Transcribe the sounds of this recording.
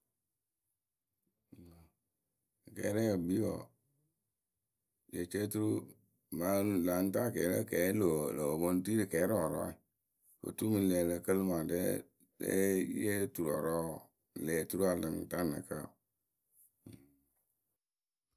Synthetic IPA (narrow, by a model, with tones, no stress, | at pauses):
kɛ̰ː˨˦ɾɛ˦ə˨bi˦wɔ̰˨ | je˨t͡ʃe˦tu˦ɾu˦˨ | ba˨˦la˨˦n˦ta˦˨kɛ˨˦lə̰˦˨kɛː˨˦lo˨lə˨o˨bo˦n˦ti˦ɾə˨kɛː˨˦ɾɔ˨ɾɔ̰˦i˨ | fə̰˨tu˦mɨ˨lɛ˨lə˨kə˦lma˨dɛ̰˦ | dɛ̰˦je˦tu˨ɾɔ˨ɾɔ˦˨ | lɛː˨tu˦ɾu˦a˨lɨ˨ŋ˨ta˦nə̰˨kə˦˨